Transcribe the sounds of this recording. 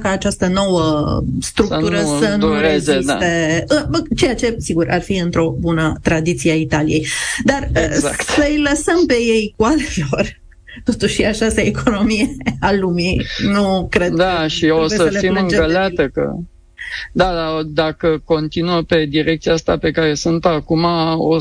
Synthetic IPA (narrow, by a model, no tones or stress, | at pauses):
kaːt͡ʃast̪əno̞wəst̪ɾukt̪uɾəsənuɾezesat̪e̞ɨt͡ʃe̞jat͡ʃe̞siɡuɾarfiɨnt̪ɾo̞bunət̪ɾad̪it̪sieait̪alije̞jd̪arəsəɨjləsəmpe̞je̞jkwale̞lo̞r | t̪o̞t̪uʃʃiat͡ʃast̪əekʰono̞mijealuminukɾed̪aʃioəəlefimɨŋkəlat̪əkə̰ | d̪ad̪ad̪akəko̞nt̪inuəpe̞d̪iɾek̚t̪sijaast̪ape̞kaɾe̞sɨnt̪akumao